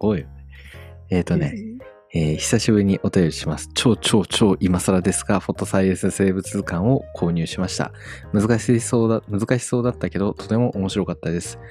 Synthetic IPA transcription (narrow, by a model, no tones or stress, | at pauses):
o̞ːijone | eːt̪o̞ne̞ | eːçi̥saɕibɯ̟ɾʲiɲ̟iʔo̞t̪ajo̞ɾʲiɕimasɨ̥t͡ɕo̞ːt͡ɕo̞ːt͡ɕo̞ːʔimasaɾad̪e̞sɨ̥ɡaɸo̞t̪ːo̞saiesɨse̞ːbɯ̟t͡sɨkãɰ̃o̞kʰo̞ːɲ̟ɨ̟ːɕimaɕi̥t̪a̰ | mɯ̟zɨkaɕsomɯ̟zɨkaɕi̥so̞ːd̪at̪ːake̞d̪o̞t̪ʰo̞̥t̪e̞mo̞ʔomo̞ɕiɾo̞kat̪ːad̪e̞sɨ̥